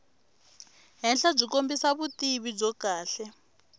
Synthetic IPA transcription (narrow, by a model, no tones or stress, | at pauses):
ɦɛnɬab͡ʐikombisaβutiβib͡ʐɔkaːɬɛ